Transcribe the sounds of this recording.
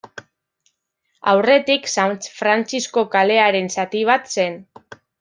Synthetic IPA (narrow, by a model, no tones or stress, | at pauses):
a̰wre̞t̪iksanfɾant͡sisko̞kale̞aɾe̞nsat̪iβ̞at̪se̞n